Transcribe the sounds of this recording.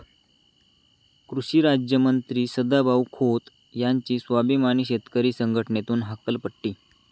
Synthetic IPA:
kɾuɕiːɾad͡ʑjəmənt̪ɾiːsəd̪abʱaʋkʰot̪ | jaɲt͡ɕiːsʋabʱimaniɕet̪kəɾiːsəŋɡʱəʈəɳet̪uːnɦakəlpəʈːiː

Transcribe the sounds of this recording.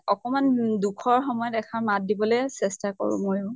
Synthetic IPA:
ɔkɔmandukʰɔɹxɔmɔjɔdɛkʰaɹmat̚dibɔlejsɛstako̰ɹṵ̃mojʊʊ

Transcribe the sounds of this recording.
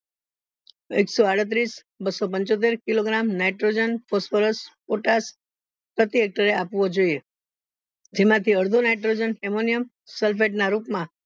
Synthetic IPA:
ḛksoaɽət̪̬ɾis | bəsopəɲt͡ʃot̪̬eɾkiloɡɾamnajʈɾod͡ʒənfosfəɾəspoʈas | pɾət̪iek̚ʈəɾeapʋod͡ʒoie | d͡ʒemãt̪ʰiəɾd̪ʱunajʈɾod͡ʒənɦemonijəm | səlfʰeʈnaɾupmã

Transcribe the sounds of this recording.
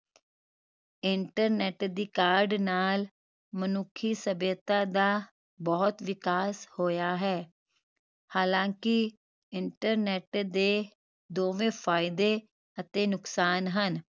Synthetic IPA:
ɪɳʈəɾnɛːʈd̪iːkaːɾɖnaːl | mənʊkʰiːsəbeːt̪aːd̪aː | bɔːt̪ʋɪkaːshoːjaːɦɛː | haːlãːkɪ | ɪɳʈəɾnɛːʈd̪eː | d̪oːʋẽːpʰaːɪd̪eː | ət̪eːnʊksaːnɦən

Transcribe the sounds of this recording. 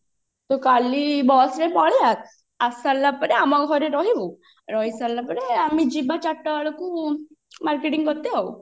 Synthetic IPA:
t̪ɔkalibɔsɾemɔɭjat̪̚ | asalːapəneamaɡʱɔɾeɾɔɦiʋu | ɾɔɦisalːapəneamid͡ʑibat͡ɕaʈːəɭku | maɾkeʈiŋɡɔt̪eaw

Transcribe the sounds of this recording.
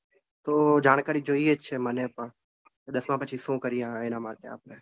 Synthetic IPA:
t̪od͡ʒaːɽ̃kaːɾid͡ʒoːijet͡ʃʰemənepəɳ | d̪əsmãpət͡ʃʰiʃũkəɾijãenamaːʈ̪ea̰ːpɽe

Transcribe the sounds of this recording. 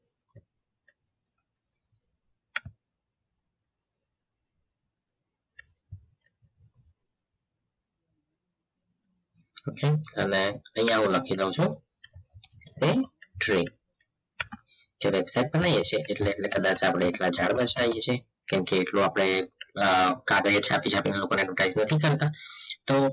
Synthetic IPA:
okeəneəɦijãɦũləkʰiləũt͡ʃʰũ | t̪eʈɾi | d͡ʒeʋebsaiʈ̚bənajet͡ʃʰeʔeʈleːʈlekəd̪at͡ʃapɽ̃eːʈlad͡ʒʱaɽbət͡ʃʰajet͡ʃʰe | kɛmkeːʈlũapɽ̃e | kaɡɾiet͡ʃʰapit͡ʃʰapinalokoneɛʈʋəʈaiznət̪ʰikəɾt̪at̪o

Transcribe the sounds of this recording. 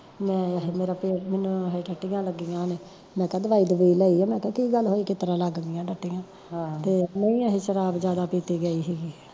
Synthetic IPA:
mɛ̃ːɦmeːɾaːpeːmeːnũːɦʈəʈːɪjãːləɡiːãːneː | mɛ̃ːkɛ̃ːd̪əʋaːiːd̪əʋiːləiːɛːmɛ̃ːkɛ̃ːkiːɡəlɦoːiːkɪt̪əɾãːləɡd̪ɪjãːʈəʈːɪjãː | t̪eːmeĩːaɦeːʃəɾaːbd͡ʒjaːd̪aːpiːt̪iːɡəiːɦiːɡiː

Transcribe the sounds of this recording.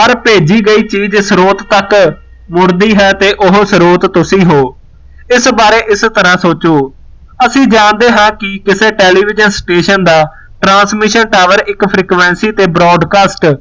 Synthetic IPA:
pəɾpeːd͡ʒiːɡəiːt͡ʃiːd͡ʒsɾoːt̪t̪ək | mʊɾd̪iːɦɛːt̪eːʔʊɦsɾoːt̪ːʊsĩːɦoː | ɪsbaːɾeːʔɪst̪əɾãːsoːt͡ʃoː | əsĩːd͡ʒãːnd̪eːɦãːkɪkɪsẽːʈeːliːʋɪd͡ʒənsʈeːʃənd̪aː | ʈɾãːnsmɪʃənʈaːʋəɾɪkpʰɾiːkʋɛ̃ːnsiːt̪eːbɾɔːɖkaːsʈ

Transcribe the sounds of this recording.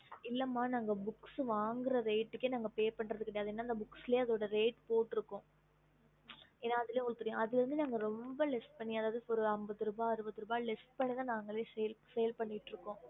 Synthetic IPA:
ɪlːɐmːaːnaːŋɡɐbʊksʋaːŋɡɪɾɐɾeːʈːɯkːenaːŋɡɐpeːpɐɳːrɐðɯkːɪɽɐjaːðɯeːnːaːɪnd̪ɐbʊksɪleːɐðoːɽɐɾeːʈpoːʈːɪɾɯkːõː | eːnːaːɐðɪleːɔɭt̪ɯɾɯjõɐðɪlɛɾɯnd̪ɯnaːŋɡɐɾɔmbɐlɪsʈ̚pɐɳːiɐðaːʋɐðɯɔɾɯɐmbɐðɯɾɯːbaːɐɾɯbɐðːɯɾɯːbaːlɪsʈpɐɽɪnɐnaːŋɡɐɭeːsɛjɐlsɛjɐlpɐɳːɪʈːɾɯkːõː

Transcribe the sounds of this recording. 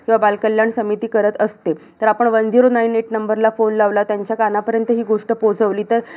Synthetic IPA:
kĩʋabalkəljaɳsəmit̪iːkəɾət̪əst̪et̪əɾapəɳʋənd̪ʱiɾonaineʈnəmbəɾlafonlaʋlat̪jaɲt͡ɕjakanapəɾjənt̪əɦiːɡoʂʈəpod͡zəʋliːt̪əɾ

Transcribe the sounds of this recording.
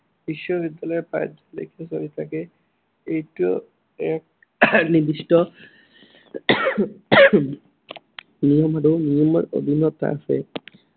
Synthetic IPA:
b̥iʃːɔbid̪ːalɔjɛpa̰jd͡ʒalḛjkʰɛsoɹit̪ʰakɛ | ejtu | ɛk̚ | nibistɔ | nijɔmaɹonijɔmɔɹo̰d̪ʱinɔt̪ːa̰fɛ̰

